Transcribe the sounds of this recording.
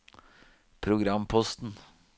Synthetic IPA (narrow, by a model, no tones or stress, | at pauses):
pʰɾʊɡɾɑmpʰɔst̪n̩